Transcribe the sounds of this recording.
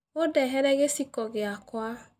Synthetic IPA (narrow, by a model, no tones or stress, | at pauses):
odɛɦɛɾɛɣesikɔɣeakwa